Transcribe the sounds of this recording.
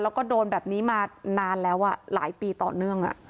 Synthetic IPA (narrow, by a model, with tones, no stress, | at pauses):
lɛː˦˥wkɔː˥˩doː˧nbɛː˨˩p̚niː˦˥maː˧naː˧nlɛː˦˥wʔa˧˩la̰ː˩˦jpiː˧t̪ɔ̰ː˨˩nɯ˥˩əŋʔa̰˨˩ʔ